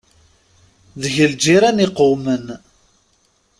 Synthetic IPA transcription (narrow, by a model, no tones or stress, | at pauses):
ðəʝəld͡ʒiɾæniqomən